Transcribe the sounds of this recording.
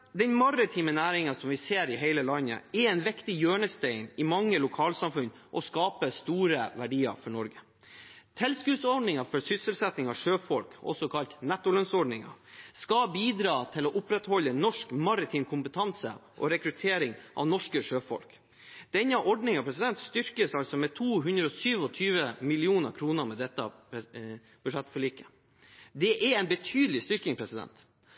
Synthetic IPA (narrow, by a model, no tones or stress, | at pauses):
d̪ɛnmɑrɪt̪ʰiːmənæːɾɪŋɑsɔmʋɪseːɾɪɦæɪləlɑɲːə̰ɛɛɪnʋɪkt̪ɪjøːɳəsd̪ɛɪnɪmɑŋːəlʊkʰɑːlsɑmfʉn | ʔɔskɑːpəst̪uːɾəʋæɖiːɑ̰ɾfɔɳɔɾɡə | t̪ʰɛlskʉːsɔɖɳɪŋɑfɔɾsʏsəlsɛt̪nɪŋɑʋʂøːfɔlkɔ̰sɔkʰɑlt̪nɛt̪ːʊlœnsɔɖnɪŋɑ̰skɑbiːd̪ɾɑːt̪ʰɪlɔʔʊpɾɛt̪hɔlːənɔʂkmɑɾɪt̪ʰiːmkʰʊmpət̪ʰɑnsə̰ʔɔ̰ɾɛkɾʉt̪ʰeːɾɪŋʔɑ̰ʋnɔʂkəʂøːfɔ̰lk | d̪̥ɛnːəʔɔɖnɪŋɑpʰɾɛsɪd̪ɛnt̪st̪ʏɾkəsɑlsɔmɛt̪ʰuːɦʉnd̪ɾəɔsyːʋɔt̪ʰyːʋəmɪlɪuːnə̰ɾkʰɾuːnəɾmɛd̪ɛt̪ːə̰ | b̥ʉʂɛt̪ːfɔɭiːkə | d̪ɛʔɛɾɛɪnbət̪ʰyːd̪əlɪst̪ʏɾkɪŋpʰɾɛsɪd̪ɛ̰nt̪